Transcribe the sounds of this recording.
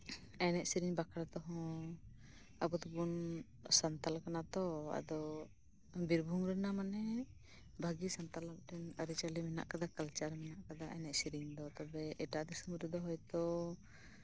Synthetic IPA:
ɛnɛʔsiɾiŋbakʰaɽat̪ɔɦɔ̃ | abɔt̪ubun | sant̪alkanat̪ɔa̰d̪ɔ | biɾbʱuŋɾɛnamanɛ | bʱaɡisant̪alam̚ʈɛnaɾit͡ʃalimɛna̰ʔkad̪akalt͡ʃaɾmɛnaʔkad̪aʔɛnɛʔsiɾiɲd̪ɔt̪ɔbɛʔɛʈaʔd̪isumɾɛd̪ɔɦɔjt̪ɔ

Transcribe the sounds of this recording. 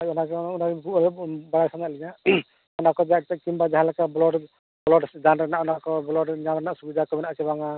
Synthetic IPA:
aɔnakunakkubaɾasanaʔlina | ɔnakɔd͡ʒakimbad͡ʒaɦalakablɔɖ | bɔlɔɖd͡ʒanɾɛnaʔɔnakɔblɔɖɲamɾɛnaʔsubid̪ʱakɔbinaʔt͡ʃɛbaŋa

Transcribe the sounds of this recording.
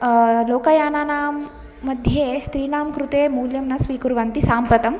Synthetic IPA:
loːkɐjaːnaːnaːmː | ɐd̪ʱjeːst̪ɾiːnaːmkɾut̪eːmuːljɐmnɐsʋiːkuɾuʋɐnt̪isaːmpɐt̪ɐm

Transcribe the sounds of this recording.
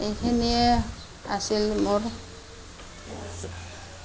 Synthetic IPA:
ejkʰeniɛ | a̰silmʊɹ

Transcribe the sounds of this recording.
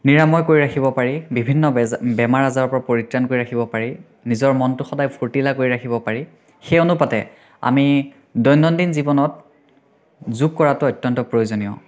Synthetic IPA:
niɹamɔjkoɹiɹakʰibɔpaɹibibʱinːɔbɛmaɹazaɹɔpɔɹapoɹitɹankoɹiakʰibɔpaɹi | nizɔɹmɔntʊxɔdajpʰoɹtilakoɹiɹakʰibɔpaɹi | xeonupatɛ̰ | a̰mi | dɔjnːɔndinzibɔnɔt̚ | zuɡ̚kɔɹatʊɔjtːjɔntɔpɹojozonijɔ̰

